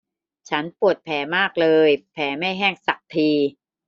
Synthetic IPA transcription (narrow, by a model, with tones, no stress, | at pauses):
t͡ɕʰa˦˥npu˨˩ət̪̚pʰɛː˩˦maː˥˩k̚lɤː˧jpʰɛː˩˦ma˥˩jɦɛː˥˩ŋsa˨˩k̚t̪ʰiː˧